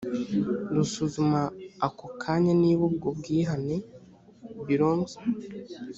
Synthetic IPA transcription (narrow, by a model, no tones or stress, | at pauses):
dusuzumaːkokʰaɲaniβubɡobɡiːɦane | βiɾoːnze̥